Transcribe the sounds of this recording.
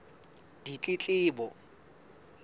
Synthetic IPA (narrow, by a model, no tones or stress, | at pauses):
d̥it͡ɬʼɪt͡ɬʼɪːbɔ